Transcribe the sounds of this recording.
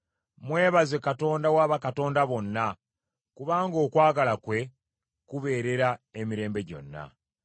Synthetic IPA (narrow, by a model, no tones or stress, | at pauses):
mwe̞ːβazekato̞ːndawaːβakato̞ːndaβo̞nːa | kuβaːŋɡo̞ːkwaːɡalakwe̞ | kuβe̞ːɾe̞ɾaemiɾe̞ːmbe̞ɟo̞̰nːa̰